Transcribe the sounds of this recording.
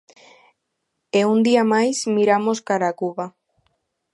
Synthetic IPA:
eund̪iamajsmiɾamoskaɾakuβa

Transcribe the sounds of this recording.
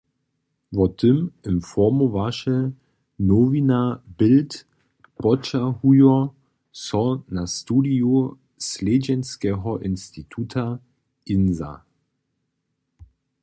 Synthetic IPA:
vɔtʰɪmɪmfɔɐmovaʃɛ | novinabɪlt | pɔt͡ʃahujɔ | sɔnastuːdiu | sleːd͡ʒɛnskɛːɦɔʔɪnstitʰutʰa | inza̰

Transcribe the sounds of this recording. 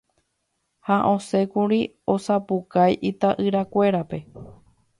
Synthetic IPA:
haʔõ̞se̞kuɾi | o̞sapukajʔit̪aʔɨɾakʷe̞ɾape̞

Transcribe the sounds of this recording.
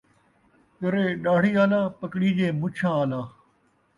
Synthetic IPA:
kəɾeːɗaːɽiːaːlaːpəkɽiːd͡ʒeːmʊt͡ʃʰãːaːlaː

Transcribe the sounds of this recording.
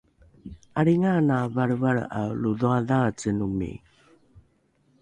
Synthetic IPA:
aɾiŋanavaɾvaɾa̰luðuaðat͡sənumḭ

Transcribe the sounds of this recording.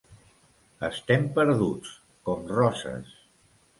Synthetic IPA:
ə̰st̪ɛmpəɾðut͡s | kɔmrɔsə̰s

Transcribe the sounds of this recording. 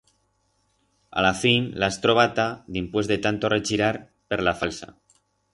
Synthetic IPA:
a̰lafinlaest̪ɾoβ̞at̪aðimpwe̞zðet̪ant̪oret͡ʃiɾaɾ | peɾlafalsa̰

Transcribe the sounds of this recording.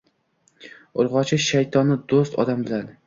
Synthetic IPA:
ʊɾʁɒt͡ʃʰɪʃajt̪ʰɒnːɪd̪ost̪ɒ̰d̪ambɪlad̪ɪ

